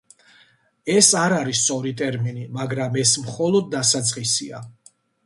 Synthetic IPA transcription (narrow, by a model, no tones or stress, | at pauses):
ɛsaɾaɾist̪sʼɔɾit̪ʼɛɾminimaɡɾamɛsmχɔlˠɔd̪̚ːasat̪sʼqʼisia̰